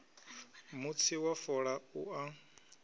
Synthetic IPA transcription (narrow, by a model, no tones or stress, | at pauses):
mut͡sʰiwafɔɺauʔa